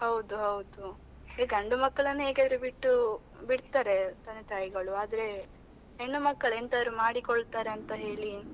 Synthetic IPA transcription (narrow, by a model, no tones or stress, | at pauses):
hɐwd̪uɦɐwd̪u | eɡɐɳɖumɐkːɐɭɐnːuɦe̞ːɡeaːd̪ɐɾebiʈːu | biɽt̪aːɾe̞t̪ɐnːet̪ʰaːjiɡɐɭuaːd̪ɐɾe̞ | ɦeɳːumɐkːɐɭent̪ɐd̪ɾumaːɽikoɭt̪aːɾeɐnt̪ɐɦe̞ːɭi